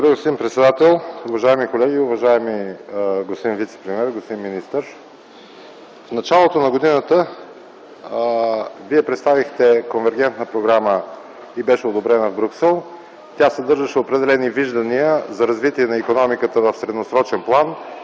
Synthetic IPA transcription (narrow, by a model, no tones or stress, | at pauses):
d̪obɾəɡosimpɾɛt̪sɛd̪at̪ɛlˠʊvɐʒaɛmikolɛɡʲiʊvɐʒaɛmiɡospod̪invit̪sɛ̥pɾimiɛɾɡosp̪od̪inmːinist̪əɾ | fnɐt͡ʃalˠot̪onɐɡod̪inət̪ə | viɛpɾɛt̪st̪avixt̪ɛkonvɛɾɡɛnt̪nəpɾoɡɾamə | ibɛʃɛod̪obɾɛnəvbɾuksɛlˠ | t̪ʲjasɛd̪ɤɾʒəʃɛopɾɛd̪ɛlɛniviʒd̪ɐniəzɐɾɐzvit̪iɛnɐikonɔmikət̪əvəfsɾɛd̪nosɾɔt͡ʃɛnplˠan